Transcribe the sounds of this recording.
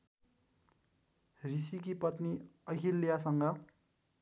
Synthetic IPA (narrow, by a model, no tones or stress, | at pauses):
risik̬ipʌt̪niʌkʰilːijasʌŋɡʌ